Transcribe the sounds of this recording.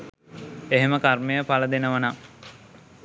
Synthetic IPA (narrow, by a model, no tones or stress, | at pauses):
eɦeməkarmejəpaləd̪enəʋəna